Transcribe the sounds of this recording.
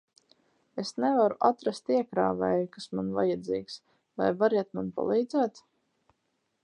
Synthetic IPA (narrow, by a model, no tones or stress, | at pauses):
esnɛvaɾuʔat̪ɾast̪iɛkɾaːvɛːjkasmanva̰jad̪ziːks | va̰jvaɾiɛt̪manpa̰lˠiːd̪zæːt̪